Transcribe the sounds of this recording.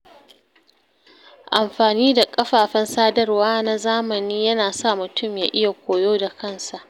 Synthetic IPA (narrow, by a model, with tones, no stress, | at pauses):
ʔa˨mɸaː˨niː˦da˨kʼɐ˦ɸaː˨ɸɛ˦nsaː˦dɐ˦rwaː˦na˦zaː˦mɐ˨niː˦jɐ˦naː˨sa˦˨mʊ˨tʊ˦˨mja̰ː˨ʔɪ˦ja˨kʷoː˨joː˦da˨kɐ˦nsa˨ʔ